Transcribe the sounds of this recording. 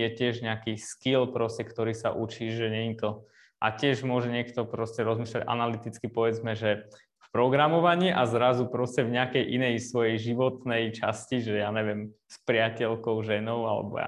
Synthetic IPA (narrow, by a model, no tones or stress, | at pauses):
jɛcɪɛʒɲɛakiskilpɾɔscɛkt̪ɔɾiːsa̰ʔut͡ʃiːʒɛɲɛɲit̪ɔ | ʔa̰cɪɛʒmʊɔʒɛɲɪɛkt̪ɔpɾɔscɛɾɔzmiːʃlaɟʔa̰nalit̪it͡skipɔʋɛd͡zmɛʒɛ | fpɾɔɡɾamɔʋaɲiʔazɾazupɾɔscɛvɲɪakɛjʔinɛjsʋɔjɛjʒiʋɔt̪nɛjt͡ʃa̰sciʒɛjaɲɛʋɪɛm | spɾɪacɛlkɔʊʒɛnɔʊalɛ̰bɔ̰ja̰